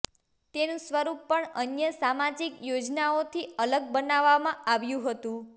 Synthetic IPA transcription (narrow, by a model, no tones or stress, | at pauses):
t̪enũsʋəɾupːəɳənjəsamad͡ʒikjod͡ʒnaot̪ʰiələɡ̚bənaʋːamãaʋjũɦət̪ũ